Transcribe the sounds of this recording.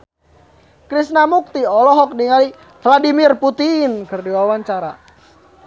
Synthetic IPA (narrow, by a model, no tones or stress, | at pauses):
kɾisnamuk̚t̪iɔlɔɦɔk̚diŋali | fladimirput̪inkərdiwawaɲt͡ʃaɾa